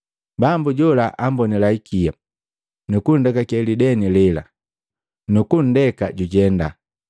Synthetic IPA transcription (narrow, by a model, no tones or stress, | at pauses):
bambuɟɔlaʔambɔnilaikʰia | nukun̩dɛkakɛlidɛnilɛla̰ | nukun̩dɛkaɟuɟɛnda